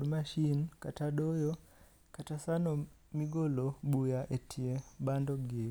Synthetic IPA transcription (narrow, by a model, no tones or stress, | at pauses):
dmaʃinkataɗojɔ | katasano | miɡoloɓujaʔetʰiebandɔɡe